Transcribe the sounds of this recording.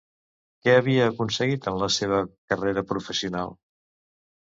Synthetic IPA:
kɛəβiəːkunsəɣit̪ənləseβ̞əkəreɾəpɾufəsiuna̰lˠ

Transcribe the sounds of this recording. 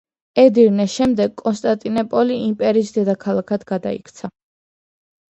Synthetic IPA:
ɛd̪iɾnɛʃɛmd̪ɛɡkʼːɔnst̪ʼant̪ʼinɔpʼɔliimpʼɛɾiːsd̪ɛd̪akʰalˠakʰad̪ɡad̪a̰ikʰt̪sʰa

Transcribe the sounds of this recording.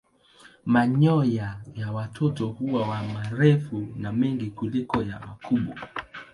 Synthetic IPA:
maɲɔjajawatʰɔtɔhuwawamaɾɛfunamɛŋɡikulikɔja̰makuɓwa

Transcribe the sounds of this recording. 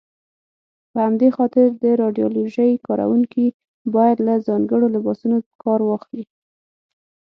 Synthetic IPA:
pəhamd̪exɑt̪ɪɾd̪əɾɑɖijoloʒəjkɑɾʔa̰wuŋki | bɑjad̪lazɑŋɡəɽolɪbɑsunokʰɑɾwɑxli

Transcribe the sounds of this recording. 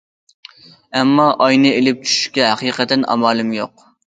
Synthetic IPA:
ɛmːɑʔɑjnɨelɪp̚t͡ʃʰy̥ʃy̥ʃkʲɛɦæqiːqʰət̪ːɪnʔɑ̰mɑːlˠɨmjoq̚

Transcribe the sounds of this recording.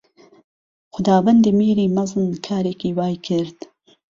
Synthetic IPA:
xʊd̪ɑːwɐnd̪imiːɾiːmɐzˤɨnkʰaːɾeːkiːwɑːjkʰɪɾd̪̥

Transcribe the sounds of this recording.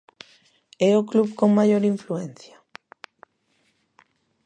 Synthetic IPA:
ɛoklubkoŋmajoɾiɱfluɛn̟θja

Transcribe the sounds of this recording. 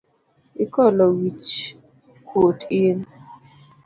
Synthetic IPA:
ikɔlɔwit͡ʃ | kwotɪn

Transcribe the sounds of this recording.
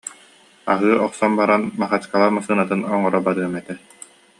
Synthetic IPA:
a̰ɦɯːʔɔqsɔmbaɾanmaχat͡ɕkalˠamasɯːnat̪ɯnɔŋɔɾɔbaɾɯɐmɛt̪ɛ

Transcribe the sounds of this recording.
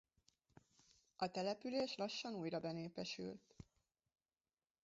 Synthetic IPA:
ʔɒt̪ɛlɛpyleːʃlɒʃːɒnuːjrɒbɛneːpɛʃy̰lt̪

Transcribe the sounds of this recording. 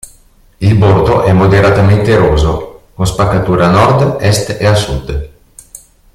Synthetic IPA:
ilbord̪oʔɛmːod̪eɾat̪ament̪eɾoːzokonspakːat̪uːɾanɔrd̪ɛst̪easud̪

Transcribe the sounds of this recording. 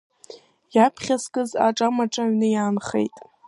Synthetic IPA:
japʰχʲaskʼɨza̰ʈ͡ʂʼamaʈ͡ʂʼaɥnɨjaːnχḛjtʼ

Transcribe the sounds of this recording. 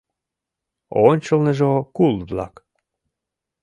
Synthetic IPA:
onʲt͡ɕəlˠneʒokulˠvlɑ̰k

